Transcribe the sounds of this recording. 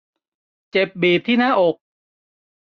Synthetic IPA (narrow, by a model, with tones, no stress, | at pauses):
t͡ɕe˨˩p̚biː˨˩p̚t̪ʰiː˥˩naː˥˩ʔo˨˩k̚